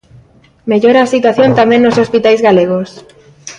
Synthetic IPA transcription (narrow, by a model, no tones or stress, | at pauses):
meʎoɾaːsit̪waθjont̪amẽnnosospit̪ajzɣaleɣos